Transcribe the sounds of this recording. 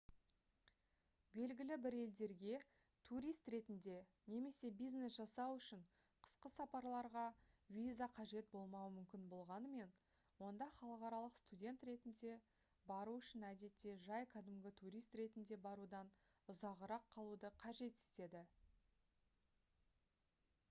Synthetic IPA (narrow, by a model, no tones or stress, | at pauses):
be̞lɡʲɪlɪbɪɾe̞ld̪e̞ɾɡʲe̞ | t̪ʰuɾijst̪ɾe̞t̪ɪnd̪e̞ | ne̞me̞se̞bijzne̞sʒɑsɑwʏʃɪɴ | qʰə̥sqəsɑpɑɾlˠɑɾʁɑvʲizaqʰɑʒe̞t̪̚bo̞lˠmɑwəmʏmkʲɪnbo̞lˠʁɑnəme̞n | wo̞nd̪ɑχɑlˠəqɑɾɑlˠəqst̪udʲe̞nt̪ɾe̞t̪ɪnd̪e̞ | bɑɾuʏʃɪnæd̪e̞t̪ːe̞ʒɑjkʰɑd̪ɪmɡʲɪt̪ʰuɾijst̪ɾe̞t̪ɪnd̪e̞bɑɾud̪ɑn | ʊzɑʁəɾɑqʰːɑlˠud̪əqʰɑʒe̞t̪ɪ̥t̪e̞d̪ɪ